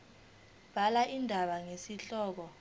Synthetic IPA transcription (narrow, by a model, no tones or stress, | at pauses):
b̥ʱalaʔindʱaɓaŋesiɬɔːk̬ɔ